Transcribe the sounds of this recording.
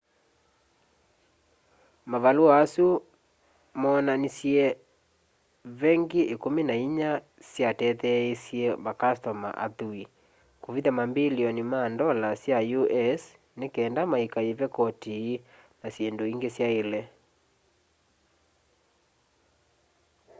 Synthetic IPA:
mavaluaasu | mɔnanisiɛ | βɛŋɡeʔekominaiɲa | sjatɛðɛesiɛmakastɔma̰ʔa̰ðui | koviðamambiliɔnimandɔlasjajuʔɛs | nekɛːndamaikaevɛkɔtiː | nasjendoiŋɡesjaelɛ

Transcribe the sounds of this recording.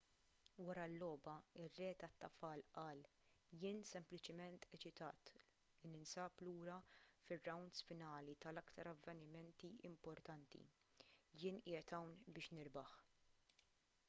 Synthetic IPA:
wɐɾɐlːɔːbɐɪrːɛːt̪ɐt̪ːɐfɐːlʔɐːl | jɪːnsɛmplɪt͡ʃɪmɛnt̪ɛt͡ʃɪt̪ɐ̰ːt̪ | lɪnɪnsɐːpluːɾɐfɪrːɐwnd̪sfɪnɐːlit̪ɐlɐkt̪ɐɾɐvːɛnɪmɛnt̪iɪ̰mpɔɾt̪ɐnt̪ḭ | jɪːnʔɪːjɛt̪ɐwnbɪːʃnɪɾbɐħ

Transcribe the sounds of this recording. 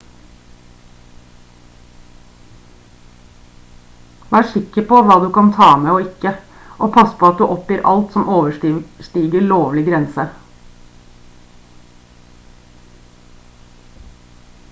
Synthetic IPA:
æːʂɪkəpoʋɑːd̪ʉːkʰɑnt̪ʰɑːmeːoːɪkə | ʔoːpʰɑspʰoːɑt̪̚d̪ʉːʔɔpjiːɾʔɑ̰lt̪sɔmoːʋəʂʈiːɡəɭoːʋlɪɡɾɛnsə

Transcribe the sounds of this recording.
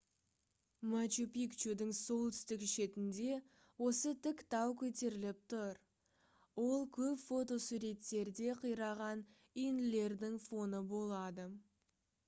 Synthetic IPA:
mat͡ʃupikt͡ʃud̪ɪŋso̞lˠt̪ʰʏ̥st̪ɪkʃe̞t̪ɪnd̪e̞ | wo̞sət̪ʰɪkt̪ɑwkʲʰɵt̪e̞ɾɪlɪp̚t̪ʊɾ | wo̞lˠkʲʰɵpfo̞t̪o̞suɾe̞t̪ːe̞ɾd̪e̞qʰəjɾɑʁɑn | ijnɪle̞ɾd̪ɪŋfo̞nəbo̞lˠɑd̪ə

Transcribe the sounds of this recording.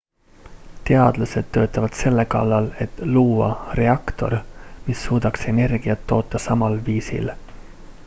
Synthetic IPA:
t̪e̞ɑd̪̥lɑse̞d̪̥t̪ø̞ːt̪ːˑɑvɑd̪̥se̞lːe̞kɑ̰lːɑle̞t̪ˑluːɑ̰re̞ɑkt̪o̞̰ɾmisːuːd̪̥ɑkse̞ne̞rɡ̥iɑt̪ːo̞ːt̪ˑːɑsɑmɑlviːsḭl

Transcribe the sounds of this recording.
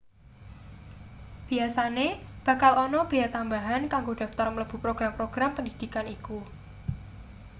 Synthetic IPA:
b̥i̤asaneb̥a̤kalɔnɔb̥eat̪ambaɦankaŋɡod̥a̤ft̪armələb̥ṳpɾoɡ̥ɾampɾoɡ̥ɾampəndid̪̥ikaniku

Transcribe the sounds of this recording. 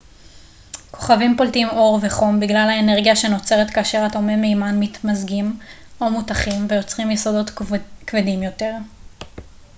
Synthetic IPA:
kʰo̞̥χavimpoltiimo̞ʁveχo̞mbiɡlalhaene̞ʁɡijaʃe̞no̞t͡se̞ʁetkaːʃe̞ʁatomemejmanmit̪mazɡim | o̞mutaχimvejo̞t͡sʁimjɛso̞do̞tkvedimjo̞te̞ʁ

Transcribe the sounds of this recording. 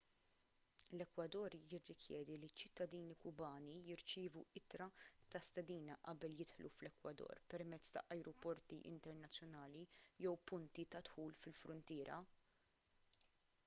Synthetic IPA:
lɛkwɐd̪ɔːɾjɪrːɪkjɛːd̪ilit͡ʃːɪt̪ːɐd̪iːnikʊbɐːnijɪɾt͡ʃɪːvuɪt̪ɾɐt̪ɐst̪ɛd̪iːnɐʔɐ̰bɛljɪt̪ħlṵflɛkwɐd̪ɔ̰ːɾpɛɾmɛt͡sːt̪ɐ̰ʔɐjɾɔpɔɾt̪iʔɪ̰nt̪ɛɾnɐt͡sːjɔnɐːlijɛwpʊnt̪it̪ɐt̪ħuːlfɪlfɾʊnt̪ɪːɾɐ̰

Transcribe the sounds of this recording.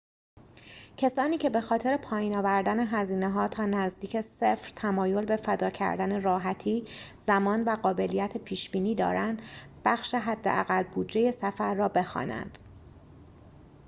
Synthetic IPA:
cʰesɒːniːkcʰe̞be̞xɒːt̪ʰe̞ɾe̞pʰɒːjiːnɒːvæɾd̪æne̞ɦæziːneɦɒːt̪ʰɒːnæzd̪iːcʰesefɾt̪ʰæmɒːjo̞lbefæd̪ɒːcʰæ̰ɾd̪æne̞rɒːɦæt̪ʰiːz̥æmɒːnvæɣɒːbe̞lijæt̪ʰepʰiːʃb̥iːniːd̪ɒ̰ːɾænd̪ | b̥æxʃe̞ɦæd̪ːeʔæɣælbuːd͡ʒeje̞sæfæɾːɒːbe̞xɒ̰ːnæ̰nd̪̥

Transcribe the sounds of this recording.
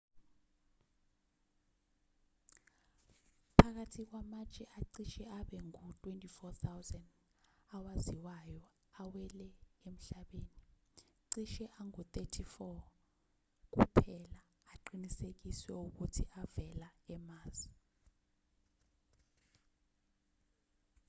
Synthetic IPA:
pʰak̬atʰik̬wamat͡ʃʼɛʔaǀiʃɛaɓɛŋutʼwentʼifɔt̪ʰawzɛnd | awaziwajɔ | awɛlɛem̩ɬaɓeːni | ǀiʃɛʔaŋut̪ʼetʰifɔ | k̬upʰɛlaː | ǃinisek̬iswɛuk̬utʰiʔavɛlaɛmaːz̥i

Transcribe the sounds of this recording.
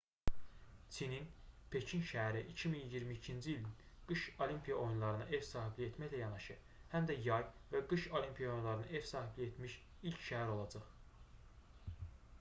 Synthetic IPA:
t͡s̪ʰininpʰe̞cʰinʃææɾiʔicʰiminijiɾmiːcʰind͡ʒiilin | ɡ̥ɯʃo̞limpʰijɑo̞junlˠɑɾɯnɯʔe̞vsɑːɦiblie̞t̪mæçlæjɑnɑʃɯ | hæmd̪æjɑjvæɡɯʃo̞limpʰijɑojunlˠɑɾɯnɯe̞v̥sɑːɦiblie̞t̪miʃ | ilcʰʃæɦæɾo̞lˠɑd͡ʒɑχ

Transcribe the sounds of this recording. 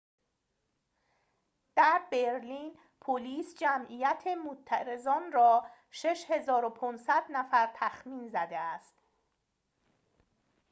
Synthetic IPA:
d̪̥æɾbeɾliːn | pʰoliːsd͡ʒæmʔijæt̪ʰemot̪ʰːæɾe̞zɒːnrɒː | ʃe̞ʃhe̞zɒːɾopʰɔnsæd̪næfæɾt̪ʰæxmiːnzæd̪eæst̪

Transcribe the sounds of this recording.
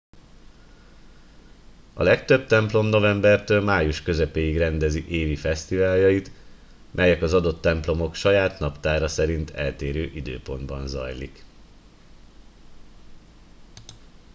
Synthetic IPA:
ɒ̰lɛkt̪ø̞bt̪ɛmplo̞mno̞vɛmbɛrt̪øːlmaːjuʃkø̞zɛpeːiɡrɛnd̪ɛziʔeːvifɛst̪ivaːljɒjit̪ | mʔɛjɛkɒzɒd̪o̞t̪ːɛmplo̞mo̞kʃɒjaːt̪nɒpt̪aːɾɒsɛɾint̪ʰɛlt̪eːɾøːʔid̪øːpo̞nd̪bɒnzɒ̰jlḭk

